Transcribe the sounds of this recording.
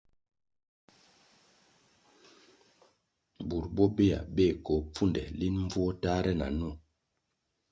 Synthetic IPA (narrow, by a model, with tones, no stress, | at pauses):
bu˨ɾbɔ˦be˦a̰˨be˦˨ko˨p͡fu˦ndɛ̰˨li˦nɱ˦b͡vu˦ɔ˦ta˦ɾɛ˦na̰˨nu˦˨